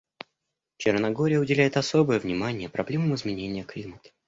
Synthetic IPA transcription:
t͡ɕɪrnɐɡo̞ɾʲɪjəʊdʲɪlʲæjɪt̪ɐsobəjəvnʲɪmanʲɪjəpɾɐblʲe̞məmɨzmʲɪnʲenʲɪjəklʲimət̪ə̥

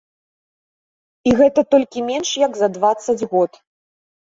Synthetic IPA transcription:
iɣɛt̪ɐt̪ɔlʲkʲimʲɛnʂjɐɡzɐd̪vat̪sːɐd͡zʲɣɔt̪

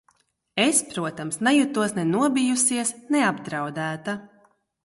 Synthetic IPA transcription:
espɾuɔt̪amsnajut̪uɔsnɛnuɔbijusiɛsnɛabd̪ɾawd̪æːt̪a

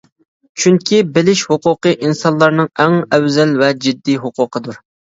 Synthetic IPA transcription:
t͡ʃʰyŋkʲʰibɪlɪʃhʊqʊqəʔinsɑnlˠɑɾnɨŋæŋɛwzɛlvɛd͡ʒid̪ːiɦʊqʰʊqʰəd̪uɾ

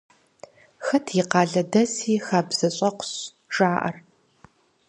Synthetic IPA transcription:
xɐtʰiɪqɑːɮɐdɐsiːxaːbz̥ɐɕʷʼɐqʷʰʊ̥ɕ | ʒaːʔɐ̰r

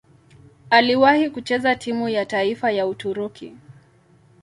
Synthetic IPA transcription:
aliwahikut͡ʃɛzatʰimujataifajautuɾukḭ

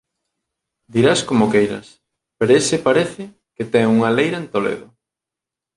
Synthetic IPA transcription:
d̪iɾaskomokejɾɐ̰s | peɾoesɪpaɾeθɪ | ket̪ɛŋuŋɐlejɾɐent̪olḛðʊ

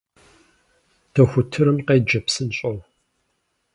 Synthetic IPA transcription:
tʰɐxʷʊtʰɨɾɨmqejd͡ʒɐpsɨnɕʼɐʁ

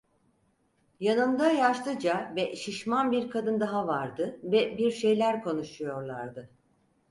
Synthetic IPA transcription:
janɯnd̪ajaʃlˠɯd͡ʒavɛʃiʃmanbiɾkʰad̪ɯnd̪aɦavaɾd̪ɯvɛbiɾʃe̞jlʲæɾkʰo̞nuʃujo̞ɾlˠaɾd̪ɯ

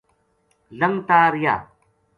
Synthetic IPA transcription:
lɐmt̪aːɾja̰ː

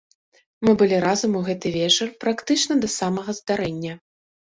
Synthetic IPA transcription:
mɨbɨlʲiɾazɐmuɣɛt̪ɨvʲɛt͡ʂɐrpɾakt̪ɨt͡ʂnɐd̪ɐsamɐɣɐzd̪aɾɛnʲːɐ

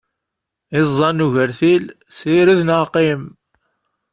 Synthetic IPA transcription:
ɪzˤːɑnːuʝəɾθil | siɾiðnəqim

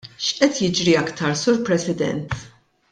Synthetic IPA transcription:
ʃʔɛt̪jɪd͡ʒɾiɐkt̪ɐɾsuːɾpɾɛsɪd̪ɛ̰nt̪

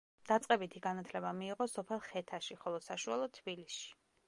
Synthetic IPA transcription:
d̪̥at̪sʼqʼɛbit̪ʰiɡanat̪ʰlɛbamiːʁɔsɔpʰɛlˠχɛt̪ʰaʃiχɔlˠɔsaʃualˠɔd̪̚t̪ʰbilisʃi̥

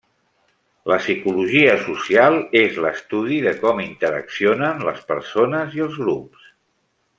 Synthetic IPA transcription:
ləsikuluʒiəsusialˠezləst̪uð̞iðəkɔmint̪əɾə̰ksionənlə̰spəɾsonəziəlˠzɣɾups

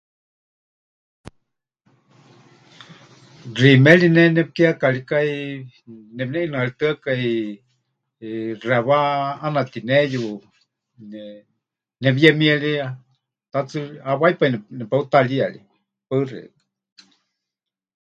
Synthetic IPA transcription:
rimɛlinɛnɛp̚keakalikai | nɛbnɛʔinaalit̪ɨakai | raβaːnat̪inɛju | n | nɛβiɛmiɛɺia | t̪at͡sɨaβajpainɛnɛpaut̪alialḭ | pɨrḭk

